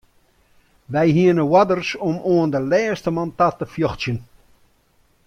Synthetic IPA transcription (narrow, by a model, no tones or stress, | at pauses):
ʋɛjɦiənəwadərsɔmoəndəlɛːstəmɑntatəfjɔxjən